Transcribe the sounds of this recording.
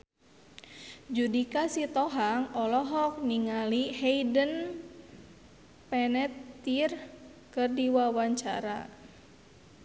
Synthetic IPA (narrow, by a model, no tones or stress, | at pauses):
d͡ʒudikasit̪ɔɦaŋɔlɔɦɔk̚niŋalihɛjdən | pɛnɛt̪ːir | kɨrdiwawaɲt͡ʃa̰ɾa̰